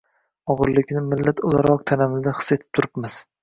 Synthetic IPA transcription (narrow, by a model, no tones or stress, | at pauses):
ɒʁɨɾlɪkʲnɪmɪlːat̪olˠaɾɒq̚t̪ʰanamɪzd̪aχɨ̥sːe̞t̪ʰɪ̥p̚t̪ʰʊɾɪpmɪz̥